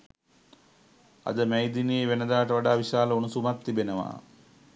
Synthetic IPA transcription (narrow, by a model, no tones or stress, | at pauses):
a̰d̪əmejd̪iniːʋenəd̪aːʈəʋaɖaːʋiʃaːləunusumat̪ːibenəʋa̰ː